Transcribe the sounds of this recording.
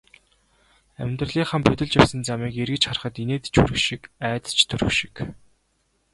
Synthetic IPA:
æ̰mʲnt̪rə̆ɮiːŋχaːmpɵt̪ʲɪ̆ɮt͡ɕjawsə̆nt͡samiːkeɾɣɘ̆t͡ɕχarχə̆t̪ineːt̪t͡ɕɵ̰ɾɵ̆wʃikæːt̪ə̥t͡ɕt̪ʰɵɾɵ̆wʃi̥k

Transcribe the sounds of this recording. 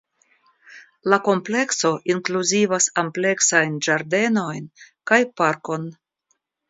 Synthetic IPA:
lako̞mple̞kso̞ʔiŋkluzivasample̞ksajnd͡ʒaɾd̪e̞no̞jnkajpaɾko̞n

